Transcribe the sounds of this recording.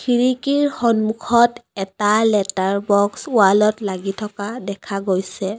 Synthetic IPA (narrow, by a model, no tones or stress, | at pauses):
kʰiɹikiɹxɔnmukʰɔtɛtalɛtaɹbɔksualɔtlaɡitʰɔkadɛkʰaɡojsɛ